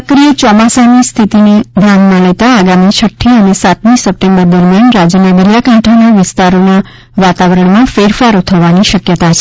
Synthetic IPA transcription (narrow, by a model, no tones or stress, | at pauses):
kɾijet͡ʃɔmasanist̪ʰit̪ineɡ̪ʱɾammãlet̪aːɡamit͡ʃʰəʈʰːiənesat̪mĩsəp̚ʈembəɾd̪əɾmjanɾad͡ʒənad̪əɾjakãʈʰanaʋɪst̪aɾona | ʋat̪aʋəɾəɳmãfeɾfaɾot̪ʰəʋaniʃəkjət̪at͡ʃʰe